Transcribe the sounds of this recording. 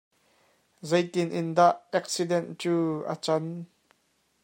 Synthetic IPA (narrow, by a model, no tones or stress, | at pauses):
zejt̪ɪnʔɪnd̪aʔɛk̚sidɛnt͡suːʔə̰t͡sɐn